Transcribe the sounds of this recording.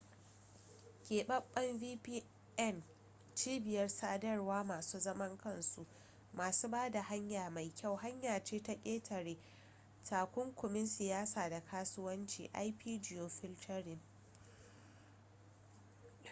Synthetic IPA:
kʲeː˨ɓɐ˦ɓːɐ˦mviː˦piː˦ | ʔɛ˦˨n | t͡ʃiː˦bɪ˨jɐ˦rsaː˦dɐ˦rwaː˦maː˨suː˦zɐ˦mɐ˦ŋkɐ˦˨nsu˦ʔ | maː˨suː˦baː˦da˨ha˦ɲjaː˨ma˨jkʲa˦˨wɦa˦ɲjaː˨t͡ʃeː˦ta˦kʲʼeː˦tʰɐ˨ɾeː˦ | tʰaː˨kʷʊ˦ŋkʷʊ˨mɪ˦nsɪ˨jaː˦saː˨da˨kʰaː˦sʊ˦wɐ˦nt͡ʃḭː˨ʔa˦jpiː˦d͡ʒɪ˨joː˨ɸɪ˦ltʰɐ˦ɾɪ˨n

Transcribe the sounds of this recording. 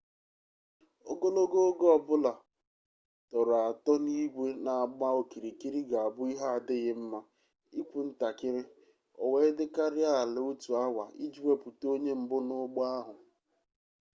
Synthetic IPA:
o˦ɡo˦lo˦ɡo˦o˦ɡɔ˦ɔ˨bʊ˦la˨ | tɔ˨ɾa˨tɔ˦ni˦ɡʷe˦na˨a˨ɡ͡ba˦o˦˨ki˨ɾi˨ki˦ɾi˦ɡa˨a˨bʊ˦i˦ɦa˦a˨dɪ˦ɣɪ˦m̩˦ma˦ | i˦kʷu˨n̩˦ta˨kɪ˦ɾɪ˦ | ɔ˨we˦dɪ˦ka˦ɾɪ˦a˦˨lɪ˨o˦tu˨a˦wʷa˨i˦d͡ʒi˦we˦pu˨to˦ɲe˦m̩˨bʊ˦nʊ˦ɡ͡ba˦ɦʊ˨

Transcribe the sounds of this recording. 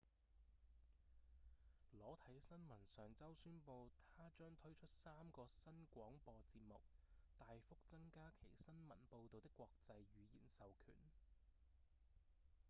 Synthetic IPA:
lɔː˨˥t̪ʰɐ˨˥jsɐ˥nmɐ˨˩nsœː˨ŋt͡sɐ˥wsyː˥npo˧wt̪ʰaː˥t͡ʃœː˥ŋt̪ʰɵ˥ɥt͡ʃʰɵ˥t̚saː˥mkɔː˧sɐ˥nkʷɔː˨˥ŋpɔː˧t͡siː˧p̚mʊ˨k̚t̪aː˨jfʊ˥k̚t͡sɐ˥ŋkaː˥kʰe˨˩jsɐ˥nmɐ˨˩npo˧wt̪o˨wt̪ɪ˥kːʷɔː˧k̚t͡sɐ˧jɥyː˨˧jḭː˨˩nsɐ˨wkʰy̰ː˨˩n

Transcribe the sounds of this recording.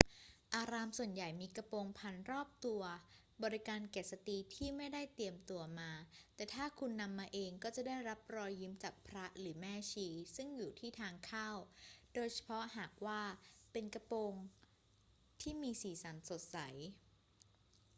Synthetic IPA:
ʔaː˧ɾaː˧msu˨˩ənja˨˩jmiː˧ka˧poː˧ŋpʰa˧nɾɔː˥˩p̚t̪u˧ɐ | bɔː˨˧ɾi˦˥kaː˧nke˨˩t̪̚sa˧t̪iː˧t̪ʰiː˥˩ma˥˩jda˥˩jt̪i˧əmt̪u˧ɐmaː˧t̪ɛː˨˩t̪ʰaː˥˩kʰu˧nːa˧mːaː˧ʔeː˧ŋkɔː˥˩t͡ɕa˨˩da˥˩jɾa˦˥p̚ɾɔː˧jːi˦˥mt͡ɕaː˨˩k̚pʰɾa˦˥ɾɯː˩˦mɛː˥˩t͡ɕʰiː˧˥sɯ˥˩ŋjuː˨˩t̪ʰiː˥˩t̪ʰaː˧ŋkʰaː˥˩wdoː˧jt͡ɕʰḁ˧pʰɔ˦˥ʔhaː˨˩k̚waː˥˩pe˧nka˧poː˧ŋ | t̪ʰiː˥˩miː˧siː˨˩˦sa˩˦nso˨˩t̪̚sa˩˦j

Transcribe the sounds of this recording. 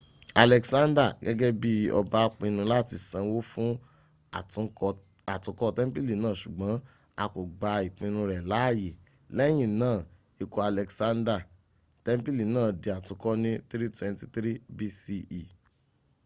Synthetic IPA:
a˨lɛ˨ksã˦nda˦˨ɡɛ˦ɡɛ˦bi˦ɔ̰˧ba˦k͡pĩ˧nũ˧la˦˨ti˧sã˨˧˦wo˦fũ˦˨˧ | a˨tũ˨˦kɔ˦tɛ˦m̩˦pi˦li˨nãː˦˨ʃu˨ɡ͡bã˨˦ | a˧ko˨ɡ͡ba˧i˨k͡pĩ˧nũ˧ɾɛ˨la˨˦˨je˨ | lɛ˦j̃ĩ˦˨nãː˦˨ | i˧ko˧a˨lɛ˨ksã˦nda˦˨ | tɛ˦m˦pi˦li˨nãː˦˨de˧a˨tũ˨˧˦kɔ˦nĩ˦t̪ɾi˦twɛ̃˧nti˦t̪ɾi˦bi˧si˧i˨

